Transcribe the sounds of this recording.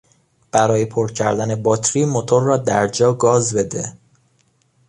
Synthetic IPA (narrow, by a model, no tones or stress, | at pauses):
b̥æɾɒːjepʰoɾcʰæɾd̪æne̞bɒːt̪ʰɾiːmo̞t̪ʰo̞ɾːɒːd̪æɾd͡ʒɒːɡɒːzbe̞d̪e